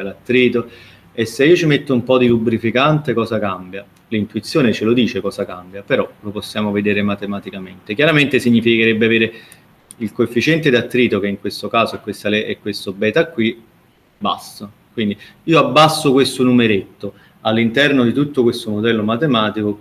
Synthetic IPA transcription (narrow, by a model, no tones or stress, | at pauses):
elat̪ːɾiːt̪o | esːeiːot͡ʃimet̪ːoumpɔd̪ilubːɾifikant̪ekɔːsakambja | lint̪uit̪sːjoːnet͡ʃelod̪iːt͡ʃekɔːsakambjapeɾɔloposːjaːmoved̪eːɾemat̪emat̪ikament̪ekjaɾament̪esiɲːifikeɾɛbːeaveːɾe | ilkoefːit͡ʃɛnt̪ed̪at̪ːɾiːt̪ok̟eiŋkwest̪okaːzoɛkwest̪aleɛkːwest̪obɛːt̪akːwi | ba̰st̪o | kwind̪iiːoabːasːokwest̪onumeɾet̪ːo | alːint̪ɛrnod̪it̪ut̪ːokwest̪omod̪ɛlːomat̪emaːt̪iko